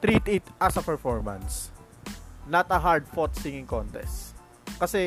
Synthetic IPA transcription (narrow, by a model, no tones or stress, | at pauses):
t̪ɾit̪ɪt̪ʔɐsɐpɛɹfɔɹmɐ̰̃ns | nɐt̪ɐɦaɹd̪̚fɔt̪sɪŋɪ̃ŋkɔnt̪ɛ̰st̪ | kɐsɛ